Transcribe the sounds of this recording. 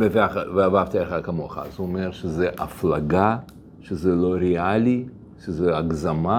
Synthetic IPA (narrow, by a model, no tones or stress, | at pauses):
veveaχveavavt̪aelχakamoχa̰a̰zuomeʁʃezeʔaflaɡa | ʃezelo̞ɾeali | ʃezeaɡzama